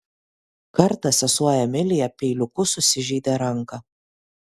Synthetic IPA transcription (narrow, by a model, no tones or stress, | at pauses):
kɐɾt̪ɐsʲɛsuɔjɛmʲɪlʲɪjɛpʲɛɪlʲʊkʊsʊsʲɪʒʲiːd̪ʲeɾɐŋkɐ